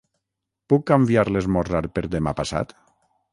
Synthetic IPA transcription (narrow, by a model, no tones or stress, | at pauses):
pukːambiaɾlezmɔraɾpeɾðemapasa̰t̪